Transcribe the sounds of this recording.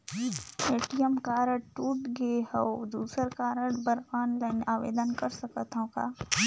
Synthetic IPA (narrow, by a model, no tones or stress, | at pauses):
eːʈijəmkaːɾəɽʈuːʈɡehəod̪uːsəɾkaːɾəɽbəɾaːnlaːɪnaːʋḛːd̪ənkɐɾsɐkət̪ɦõka̰ː